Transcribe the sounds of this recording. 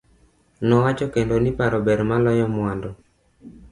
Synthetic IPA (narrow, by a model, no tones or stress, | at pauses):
nɔwat͡ʃɔkendonipaɾɔbɛɾmalɔjɔmwandɔ